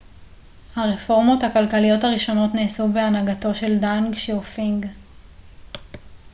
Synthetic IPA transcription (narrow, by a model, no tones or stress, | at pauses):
haʁefo̞ʁmo̞thakalkalijo̞thaʁiʃo̞no̞tneːsube̞anaɡato̞ʃe̞ldanɡʃiofiŋɡ